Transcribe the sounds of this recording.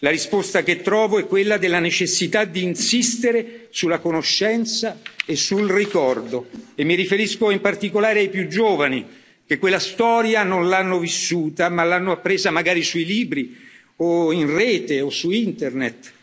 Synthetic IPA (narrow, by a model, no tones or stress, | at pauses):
laɾispost̪ak̟et̪ːɾɔːvoɛkːwelːad̪elːanet͡ʃesːit̪ad̪ːiːnsist̪eɾesulakonoʃːɛnt̪saesːulrikɔrd̪oemːiɾifeɾiskoimpart̪ikolaːɾeajpjud͡ʒoːvani | k̟ekːwelːast̪ɔːɾjanonlanːovisːuːt̪amalːanːoapːɾeːzamaɡaːɾisuiliːbɾi | oinreːt̪eosuint̪ernet̪